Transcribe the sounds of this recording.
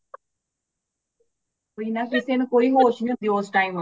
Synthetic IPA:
oːiːnãːkɪseːnũkoːiːɦoːʃnĩə̃nd̪ioːsʈaːim

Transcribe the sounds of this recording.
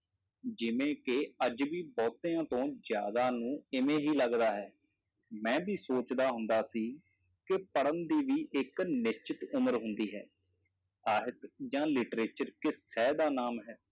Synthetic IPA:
d͡ʒɪʋẽːkeəd͡ʒbiːbɔːt̪eːãːt̪õːzja̰ːd̪aːnũːɪmẽːɦiːləɡd̪aːɦɛː | mɛ̃ːbʱiːsoːt͡ʃd̪aːɦʊnd̪aːsiː | kɪpəɽənd̪iːʋiːʔɪknɪst͡ʃɪt̪ʊməɾɦʊ̃nd̪iːɦɛː | saːɦɪt̪d͡ʒãːlɪʈɾeːt͡ʃəɾkɪsɛːd̪aːnaːmɦɛː

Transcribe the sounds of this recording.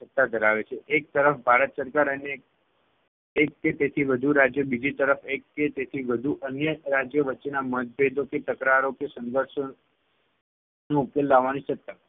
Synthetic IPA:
ət̪ːad̪ʱəɾaʋet͡ʃʰeʔek̚t̪əɾəfbʱaɾət̪səɾkaɾəne | kket̪et̪ʰiʋəd̪ʱuɾad͡ʒjəbid͡ʒit̪əɾəfekːet̪et̪ʰiʋəd̪ʱuʔənjəɾad͡ʒjəʋətːenamət̪̚bʱed̪ʱoket̪əkɾaɾokesə̃nd̪ʱəɾʃo | nũukelːaʋːanisət̪ːa

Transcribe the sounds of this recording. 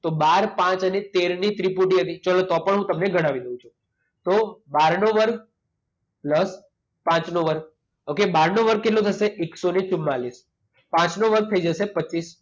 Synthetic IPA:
t̪obaɾpãt͡ʃənet̪eɾnit̪ɾipuʈiɦət̪it͡ʃalot̪ɔpəɳɦũt̪əmneɡʱəɽ̃aʋid̪əũt͡ʃʰu | t̪obaɾnoʋəɾk̚ʰ | pləs | pãt͡ʃnoʋəɾk̚ | okebaɾnoʋəɾkːeʈlot̪ʰəseeksonet͡ʃumːalis | pãt͡ʃnoʋəɾk̚ʰt̪ʰəid͡ʒəsepəːis

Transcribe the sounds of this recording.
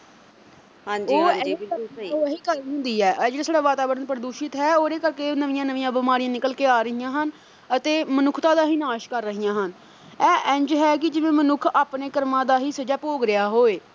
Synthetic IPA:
ɦãd͡ʒoːɛoɦiːkəlɦʊ̃nd̪iːɛːʔd͡ʒːɽiːsaːɖaːʋaːt̪aːbəɾənpəɾəd̪uːʃɪt̪ɦɛːoːɾeːkəɾkeːnəʋɪjãːnəʋɪjãːbɪmaːɾijãːnɪkəlkeːaːɾəɦijãːɦən | ət̪eːmənʊkʰt̪ãːd̪aːɦiːnaːʃkəɾːəɦijãːɦən | ɛːʔɛ̃ːɲd͡ʒɦɛːk̬ɪd͡ʒɪʋẽːmənʊkʰaːpneːkəɾmãːd̪aːɦiːsəd͡ʒaːpoːɡɾɪjaːɦoːeː

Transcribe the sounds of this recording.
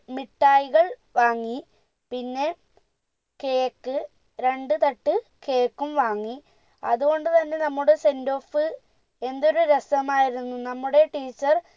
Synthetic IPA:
miʈːaːjiɣɐɭʋaːŋːi | pinːe̞ | ke̞ːkːɨ | ɾe̞ɳɖɨt̪ɐʈːɨ | ke̞ːkːumʋaːŋːi | ɐ̰ðuɣo̞ɳɖɨt̪ɐnːe̞nɐmːuɽe̞se̞ndo̞ːfɨ | e̞nd̪o̞ɾuɾesɐmaːjiɾunːunɐmːuɽe̞ʈiːt͡ɕːɐr

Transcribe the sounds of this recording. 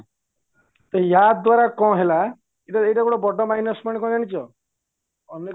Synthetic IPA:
t̪ɔɦijad̪waɾakɔ̃ɦela | iʈaejʈaɡɔɽɔbɔɖɔmaɦinɔsmɔɽ̃ikɔ̃d͡ʒaɽ̃it͡ʃʰɔ | ɔne

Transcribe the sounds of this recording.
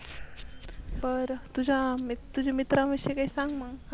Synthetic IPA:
pəɾt̪ud͡ʑʱamt̪ːud͡ʑʱemit̪ɾaʋəɕekaɦisãŋɡmaɡ

